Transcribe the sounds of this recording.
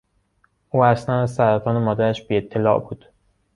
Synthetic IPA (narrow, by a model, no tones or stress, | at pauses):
ʔuːæslænæzsæɾæt̪ʰɒːnemɒːd̪æɾæʃbiːe̞t̪ʰːe̞lɒ̰ːʔbuːd̪̥